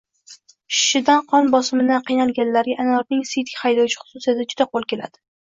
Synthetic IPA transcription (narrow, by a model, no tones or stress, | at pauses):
ʃɪ̥ʃɪd̪anqʰɒnbɒsɪmɪd̪anqijnalˠɡʲanlaɾɡʲaʔanɒɾnɪŋsit̪kʲhajd̪ɒwt͡ʃʰɪ̥χʊ̥sʊsijat̪ɪd͡ʒʊd̪aqolˠkʲe̞lad̪ɪ̥